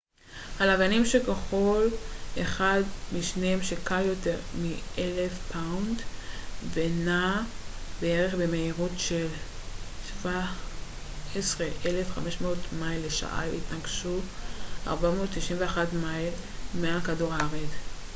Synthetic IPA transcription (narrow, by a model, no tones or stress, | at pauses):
halavanimʃekeχo̞lʔeχadmiʃneemʃekaljo̞te̞ʁmiʔelefpʰaundvena | beeʁe̞χbemeiʁutʃeltva | esʁeʔelefχameʃmeotmajlːeʃa̰ʔa̰itnaɡʃuʔa̰ʁbamo̞ːttiʃimveaχatmajlmealkaduʁaʁed